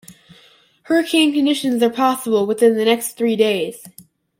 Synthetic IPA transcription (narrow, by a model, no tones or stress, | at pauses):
hə˞kʰæ̃kɨ̃ndɪʃɨ̃nzə˞pʰɑsəbl̩ˠwəθɪ̃nðɨnɛksθɹideɪz̥